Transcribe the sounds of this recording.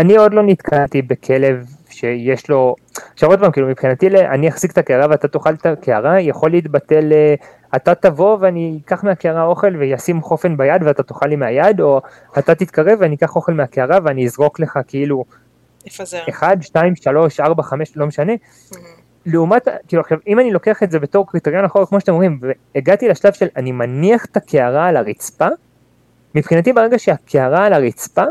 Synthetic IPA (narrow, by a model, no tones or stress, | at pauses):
anio̞d̪lo̞nit̪kʰant̪ibe̞kʰe̞le̞vʃe̞je̞ʃlo̞ʃeod̪̚pamkilumipχinat̪ileʔa̰niaχz̥ikt̪akeaʁaveat̪at̪oχalt̪akeaʁajaχo̞liːt̪bat̪e̞le | at̪at̪avo̞veanikaχmeakeaʁao̞χe̞lvejasimχo̞fe̞nbajad̪veat̪at̪oχalimeajad̪o̞ | at̪at̪it̪kaʁe̞veanikaχo̞χe̞lmeakeaʁaveaniizʁo̞kle̞χakeilu | eχad̪ʃtaimʃalo̞ʃaʁbaχame̞ʃlo̞meʃane̞ | leumatkiluaχʃavimanilo̞ke̞aχetze̞be̞to̞ʁkʁit̪eʁjo̞naχoʁekmoʃatemomʁimveːɡat̪ilaʃlav̥ʃe̞lanimaniaχt̪akʰe̞aʁaːlaʁit͡spa | mipχinat̪ibeʁe̞ɡaʃeakʰe̞aʁalaʁit͡spa